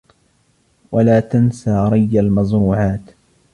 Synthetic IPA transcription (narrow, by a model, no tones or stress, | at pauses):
walaːt̪ansaːɾˤɑjːalmɑzɾuːʕaːt̪